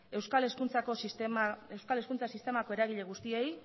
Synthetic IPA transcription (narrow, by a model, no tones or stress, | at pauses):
e̞wskaleskunt͡sako̞sismaewskale̞skunt͡sasist̪e̞mako̞e̞ɾaɣ̞iʎe̞ɣ̞ust̪ie̞j